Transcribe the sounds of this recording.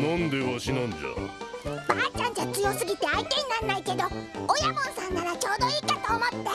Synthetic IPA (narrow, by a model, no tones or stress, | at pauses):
nõnd̪eβaɕinõnd͡ʑo̰ | baːt͡ɕãɲ̟d͡ʑat͡sɨjo̞sɨɡʲit̪e̞ait̪e̞ɲ̟inannːaike̞d̪o̞ojamõ̞ɰ̃sãŋːaɾat͡ɕo̞ːd̪o̞iːkat̪o̞ːmo̞t̪ːe̞